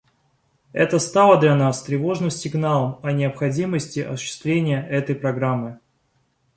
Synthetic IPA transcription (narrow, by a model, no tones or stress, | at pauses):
ɛt̪əst̪alˠəd̪lʲɐnast̪ɾʲɪvo̞ʐnɨmsʲɪɡnalˠəmɐnʲɪəpxɐdʲiməsʲtʲɪʔɐ̰sʊ̥ɕːɪ̥st̪vlʲenʲɪjəɛt̪əjpɾɐɡɾamːɨ